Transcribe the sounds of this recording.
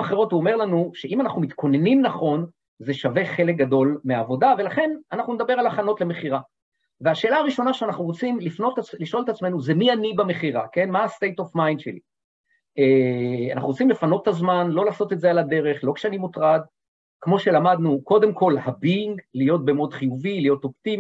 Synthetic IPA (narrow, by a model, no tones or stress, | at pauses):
aχeʁo̞tuome̞ʁlanuʃe̞imanaχnumit̪kʰo̞ne̞nimnaχo̞n | ze̞ʃave̞χe̞lek̚ɡad̪o̞lmeaːvo̞d̪ave̞laχe̞nanaχnuned̪abe̞ʁalaχano̞t̪le̞me̞χiʁa | veaʃe̞ːlaːʁiʃo̞naʃeanaχnuʁot͡simlifno̞tliʃʔo̞lt̪at͡sme̞nuzemianibame̞χiʁake̞nmaːst̪ejt̪ofmajnʃelḭ | ea̰na̰χnuʁot͡simlefano̞t̪ːazmanlo̞laːso̞t̪etzealad̪e̞ʁe̞χlo̞kʃeanimutʁad̪ | kmo̞ʃe̞lamad̪nuko̞d̪e̞mkʰo̞lhabiŋɡlijo̞t̪̚bemod̪χijuvilijo̞to̞pt̪im